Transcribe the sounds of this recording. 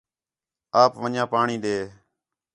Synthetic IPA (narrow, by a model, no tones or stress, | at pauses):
aːpʋəɲãːpaːɳĩːɗ̪eː